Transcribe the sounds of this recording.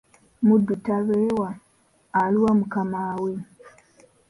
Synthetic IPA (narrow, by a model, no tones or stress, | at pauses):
mudutaβeːwaː | liwamukamaːwe